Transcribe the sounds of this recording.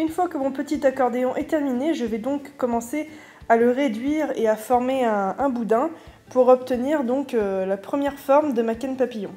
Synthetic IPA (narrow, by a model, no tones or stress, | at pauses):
ynfwakəmɔ̃pət̪it̪akɔʁd̪eɔ̃ʔɛt̪ɛʁmineʒəvɛd̪ɔ̃kːɔmɑ̃se | aləʁed̪ɥiʁeafɔʁmeɛ̃ɛ̃bud̪ɛ̃ | puʁɔp̚t̪əniʁd̪ɔ̃kølapχəmjɛʁfɔʁmd̪əmakɛnpapijɔ̃